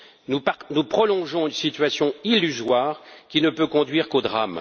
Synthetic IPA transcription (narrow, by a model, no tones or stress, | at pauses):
nunupχɔlɔ̃ʒɔ̃ynsit̪ɥasjɔ̃ilːyzwaːʁkʲinəpøkɔ̃d̪ɥiʁkod̪ʁam